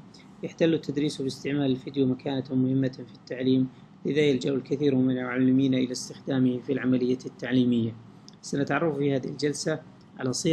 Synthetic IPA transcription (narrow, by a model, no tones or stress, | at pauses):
jaħt̪alːt̪ːad̪ɾiːsbɪst̪ɪʕmaːlɪlfɪd̪jumakaːnamʊhɪmːafit̪ːaʕliːm | lɪðajald͡ʒaʔʊlkaθiːɾmɪnalmʊʕalːɪmiːnaʔɪlast̪ɪxd̪aːmɪhfilʕamalɪjːat̪ːaʕliːmɪjːa | sanat̪ʕɑrˤːɑffihaːðɪhɪld͡ʒalsa | ʕa̰lasˤiː